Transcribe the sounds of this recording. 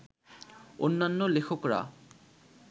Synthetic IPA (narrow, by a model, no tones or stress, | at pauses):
o̰nːanːolekʰokɾa̰